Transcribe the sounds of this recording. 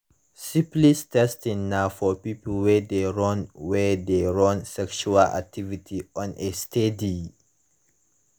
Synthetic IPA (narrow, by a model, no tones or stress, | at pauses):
sĩplistʰɛstĩŋnafɔpipl̩wɛd̪eɹɔ̃nwɛdeɹɔ̃nsɛkʃuala̰k̚tʰivitʰiɔ̃nʔestʰedi